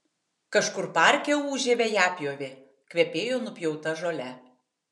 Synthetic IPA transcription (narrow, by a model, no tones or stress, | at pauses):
kɐʃkʊɾpɑˑɾʲkʲɛuːʒʲeːʋʲɛjæːpʲjoːʋʲe | kʲʋʲɛpʲeːjoːnʊpʲjɛʊt̪ɐʒoːlʲɛ